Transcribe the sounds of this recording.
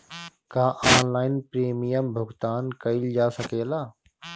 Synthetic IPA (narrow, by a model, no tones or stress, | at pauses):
kaːʔaːnlaːɪnpɾeːmijəmbʱʊɡt̪aːnkəild͡ʒaːsəkeːlaː